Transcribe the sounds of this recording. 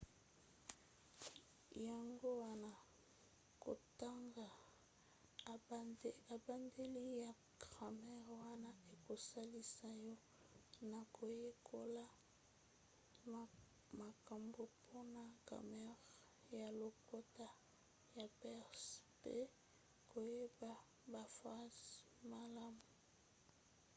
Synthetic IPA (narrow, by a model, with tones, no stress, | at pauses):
ja˨ŋɡo˦wa˦na˨ | ko̰˨ta˦ŋɡa˨ | a˨ba˨nde˦li˦ja˨ | kʁa˨mɛ˦ʁwa˦na˦e˨ko˨sa˦li˦sa˦jɔ˦ | na˨kʰo˨je˦kʰo˦la˦ | ma˨ka˨mbo˨pʰo˦na˨ka̰˨mɛ˦ʁ | ja˨lo˨ko˦ta˦ | ja˨pɛ˦ʁspḛ˦ | ko˨je˦ba˨ | ba˨fa˦z | ma˨la˦mu˨